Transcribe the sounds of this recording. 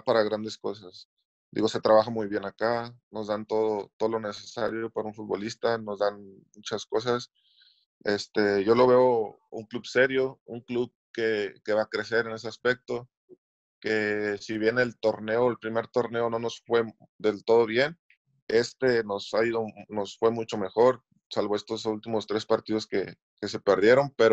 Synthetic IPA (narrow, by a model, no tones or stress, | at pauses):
apaɾaɣɾand̪e̞sko̞sas | d̪ḭɣo̞se̞t̪ɾaβaxamujβje̞nakano̞zðant̪o̞ðo̞t̪oðolo̞ne̞se̞sa̰ɾjo̞paɾaunfut̪̚βo̞list̪ano̞zðanmut͡ʃasko̞s̬as | e̞st̪e̞ʝo̞lo̞βe̞o̞ṵŋklubse̞ɾjo̞uŋkluβ | ke̞ke̞βakɾe̞se̞ɾe̞ne̞s̬e̞aspe̞k̚t̪o̞ | ke̞siβje̞neːlt̪o̞ɾne̞oelpɾime̞ɾt̪o̞ɾne̞o̞no̞no̞sfwe̞ | d̪e̞lt̪o̞ð̞o̞βje̞n | e̞st̪e̞no̞saiðo̞no̞sfwe̞mut͡ʃo̞me̞xo̞ɾ | salβoe̞st̪osult̪imo̞st̪ɾe̞spaɾt̪ið̞o̞ske̞ | ke̞se̞pe̞ɾðje̞ɾo̞npe̞ɾo